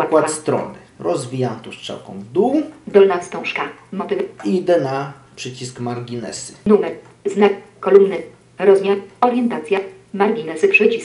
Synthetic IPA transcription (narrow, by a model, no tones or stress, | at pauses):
akwat̪st̪ɾɔ̰nɘ | ɾɔzvʲijamt̪uʂt͡ʂɛ̰wkɔ̰̃mvd̪uwd̪ɔlnast̪ɔ̃w̃ʂkamɔt̪ɘvid̪ɛna | pʂɘt͡ɕiskmaɾɡʲinɛ̰sɘ̥numɛ | znakɔlumnɘ | ɾɔzmʲjaɔɾʲjɛnt̪at̪sʲja | maɾɡʲinɛsɘpʂɛt͡ɕis